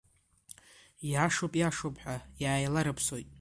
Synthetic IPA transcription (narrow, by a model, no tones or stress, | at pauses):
jaʂopʼjaʂopʰʼħʷajaːjlaɾɨpʰso̞jtʼ